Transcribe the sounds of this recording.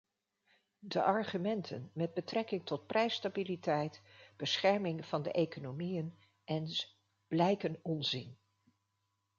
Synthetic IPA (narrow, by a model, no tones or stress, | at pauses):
də̰ʔɑɹχymɛntʰə̰nmɛd̚bətrɛkɪŋtɔt̚prʔɛjstabilitɛjtb̥əsχɛɹmɪŋv̥ɑndə̰ʔejkonomijən | ʔɛns | b̥lɛjkənɔnzɪn